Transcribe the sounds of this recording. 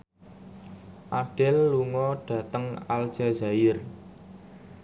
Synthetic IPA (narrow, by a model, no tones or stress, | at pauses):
ʔaɖ̥ɪlːuŋɔɖ̥ä̤t̪əŋa̰l̥ʒ̥azajɪr